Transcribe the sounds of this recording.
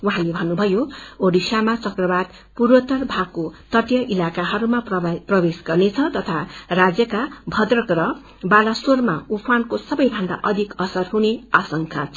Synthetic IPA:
wuɦãlebʱʌnːubʱʌjooɽisamat͡sʌkrʌbad̪ | purwʌt̪ʌrbʱaɡkːot̪ʌʈjʌʔilakaɦʌɾumapʌprʌbesɡʌrnet͡sʰʌt̪ʌt̪ʰarad͡zjʌkabʱʌd̪rʌkɾʌ | balasormaupʰankosʌbʌjbʱʌnd̪a̰ʔʌd̪ʱikʌsʌrɦuneasʌŋkʰa

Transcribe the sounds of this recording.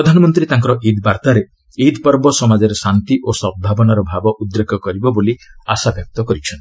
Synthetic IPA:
pɾɔd̪ʱanɔmɔnt̪ɾit̪aŋk̬ɔɾɔʔid̪baɾt̪aɾe | id̪pɔɾbɔsɔmad͡ʒɔɾesant̪iʔosɔb̚b̪ʱabɔnaɾɔbʱabɔʔud̪ɾekʰɔkɔɾibɔboliasabjɔk̚t̪ɔkɔɾit͡ʃʰɔnt̪i̥

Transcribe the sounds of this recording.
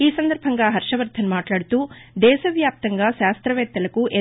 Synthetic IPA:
iːsɐnd̪ɐɾbʱɐŋɡaːɦɐɾʂɐʋɐɾt̪ʰːɐnmaːʈlaːɽut̪uːd̪ɛːʃɐʋjaːp̚t̪ɐŋɡaːʃaːst̪ɾɐʋɛːk̚t̪ːɐlɐkuʔe

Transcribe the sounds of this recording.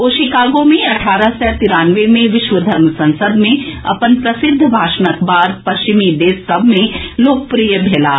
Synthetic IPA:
oːʃikaːɡõmẽɐʈʰaːɾasɛt̪ɪɾaːnʋemẽʋɪʃʋəd̪ʱɐɾmsɐ̃nsəd̪mẽɐ̰pənpɾɐsɪd̪ʱːbʱaːʃnəkbaːɾpɐsʃt͡ʃɪmid̪eːsːɐbʱmẽloːk̚pɾiːjəbʱeːlaː

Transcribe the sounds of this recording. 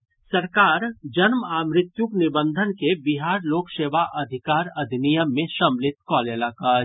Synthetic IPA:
sɐɾkaːɾd͡ʒɐnmaːmɾɪt̪juknɪbə̃nd̪ʱənkebɪɦaːɾloːkʰseːʋaʔɐd̪ʱɪkaːɾɐd̪ʱnijəmːẽʃɐmlɪt̪̚kɔːlelaːkaː

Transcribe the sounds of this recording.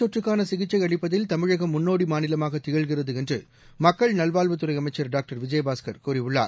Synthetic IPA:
t̪ːɔʈrɯkːaːnɐsɪɣɪt͡ʃːɐɪɐɭɪpːɐðɪlt̪ɐmɪɻɐɣɐmːʊnːoːɽimaːnɪlɐmaːɣɐt̪ːɪɣɐɭɣɪrɐðɯɛndrɯ | mɐkːɐɭnɐlʋaːlʋɐt̪ːɯɾɐɪɐmɐɪt͡ʃːɐɾɖaːk̚ʈɐɾʋɪd͡ʒɐjbaːskɐɾkuːɾɪʋɯɭːa̰ːɾ

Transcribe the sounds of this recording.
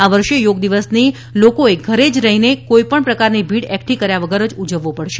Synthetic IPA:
aʋəɾʃejoɡd̪iʋəsni | lokoeɡʱəɾed͡ʒɾəɦinekoipəɳpɾəkaɾnibʱiɽɛkʈikəɾjaʋəɡəɾəd͡ʒud͡ʒəʋːopəɽʃe

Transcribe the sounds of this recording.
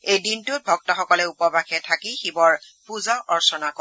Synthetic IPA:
ejdintuʊt̚bʱɔk̚tɔxɔkɔlɛupɔbaxɛtʰakixibɔɹ | puzaʔɔɹsɔnakɔ

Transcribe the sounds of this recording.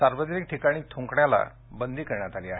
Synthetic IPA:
saɾʋəd͡ʑɾik̚ʈʰikaɽ̃iːt̪ʰuŋkɳjala̰ | bənd̪ʱiːkəɾɳjat̪aliːaɦe

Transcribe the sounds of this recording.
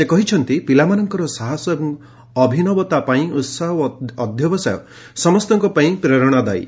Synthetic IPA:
sekɔɦit͡ʃʰɔnt̪ipilamanɔŋkɔɾɔsaɦɔsɔbɔŋ | ɔbʱinɔbɔt̪apaĩut̪saɦɔːd̪ʱjɔbɔsajɔ̰ | sɔmɔst̪ɔŋkɔpaĩpɾeɾɔɽ̃ad̪a̰j̰

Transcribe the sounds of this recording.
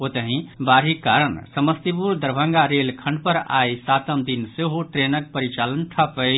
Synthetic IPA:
ot̪əɦĩbaɾɦikːaɾənsəməst̪ipuɾd̪əɾbʱə̃ŋɡaɾelkʰə̃ɳɖpəɾa̰jsat̪əmd̪inseɦoʈɾenək̚pəɾit͡ʃalənʈʰəpəj

